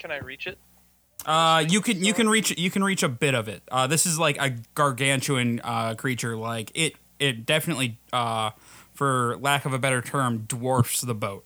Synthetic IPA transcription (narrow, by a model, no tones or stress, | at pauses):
kʰɨ̃naɪɹit͡ʃɪt̚ | ʔʌjɨkɨ̃njɨkɨ̃nɹit͡ʃjɨkʰɨ̃n̩ɹit͡ʃɨbɪɾʌvɪt̚ʌðɪsɨzlaɪkɨɡ̥ɑɹɡæ̃nt͡ʃʉɨ̃nʌkʰɹ̥it͡ʃə˞laɪkɪt̚ | ɪt̚d̥ɛfɨnɨtˡliʌfə˞lækʌvɨbɛɾə˞tʰɜ̃˞mdwɔɹfsðəboʊt̚